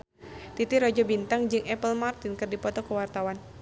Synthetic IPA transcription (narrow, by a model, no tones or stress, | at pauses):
t̪it̪iɾɔd͡ʒɔbint̪aŋd͡ʒɨŋɛpəlmart̪ɪnkɨrdipɔt̪ɔkəwart̪awan